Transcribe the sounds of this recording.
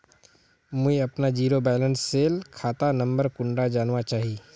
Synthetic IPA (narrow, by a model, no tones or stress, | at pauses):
mʊiɐpnad͡ʒiːɾobɛːlə̃nsːeːlkʰaːt̪anə̃mbəɾkʊ̃ɳɖad͡ʒaːnʋat͡ʃaːɦiː